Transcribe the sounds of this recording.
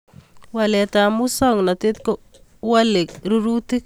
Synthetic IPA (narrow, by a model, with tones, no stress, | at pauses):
wa˨lɛ˨ta˨mu˦sɔ˦˨ŋna˨t̪ɪ˦t̪̚ko˦ | wa˦lɪ˨k̚ɾu˦ɾu˦t̪i˦k